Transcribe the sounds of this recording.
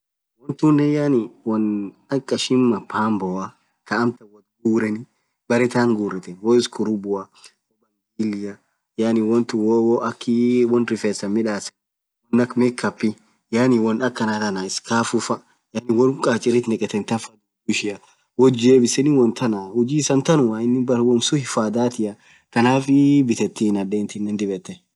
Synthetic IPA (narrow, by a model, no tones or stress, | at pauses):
wɔnt̪unːɛjaniwɔn | ɐkʼːɐʃɪmːɐpʰaːmbɔɐ | kɐːmt̪ɐwɔt̪̚ɡuːɾɛnɪ | bɐɾɛt̪aːŋɡuːɾɛt̪ɛwɔɪskʰʊɾʊbʊɐ | ɔbɐŋɡiːlɪjɐ | janɪwɔnt̪uwɔwɔɐkːiwɔnɾɪfɛːsɐmɪᶑaːsɛ̥ | wɔnːɐkmɛkːɐpːɪ | jaːniwɔnɐkːɐnat̪ɐnaɪskaːfʊfɐ | jaːnɪwɔɾkʼaːt͡ʃʼːɪɾɪt̪nɛkʼɛt̪ɛnt̪ɐfɐd̪ʊ | ʊʃɪɐ | wɔd͡ʒeːbɪsɛnɪwɔnt̪ʰɐnahʊd͡ʒiːsɐnt̪ɐnʊwaːɪnːɪbɐwɔnsʊhɪfaːd̪aːt̪ɪɐ | kɐnaːfɪbɪt̪ɛt̪ːinɐdeːnt̪ɪnːɛnd̪ɪbɛt̪ːɛ